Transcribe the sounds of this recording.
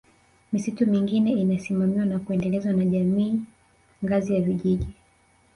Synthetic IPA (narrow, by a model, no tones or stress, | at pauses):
misitumiŋɡinɛinasimamiwanakuɛndɛlɛzwanaʄamiː | ŋɡazijaviʄiʄi